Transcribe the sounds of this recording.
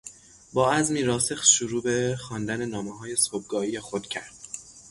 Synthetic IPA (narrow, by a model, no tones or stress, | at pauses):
bɒːæzmiːɾɒːsexʃuɾuːbe̞xɒːnd̪æne̞nɒːmeɦɒːje̞sob̚ɡɒːiːjexod̪̥cʰæɾd̪̥